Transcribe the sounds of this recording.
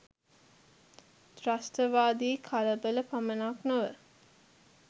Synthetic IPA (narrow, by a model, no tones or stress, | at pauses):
trasʈəʋaːd̪iːkʰaləbələpamənaknoʋə